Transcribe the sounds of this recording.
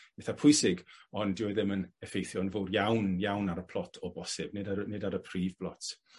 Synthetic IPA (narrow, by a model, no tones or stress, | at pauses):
b̥eθapʰʊɨsɪɡɔndɪwɛðɪmənɛfejθjɔnvoːdjawnjawnaɾəpʰlˠɔtʰɔbɔsɪbnɪdanɪdaɾəpʰr̥iːvblˠɔt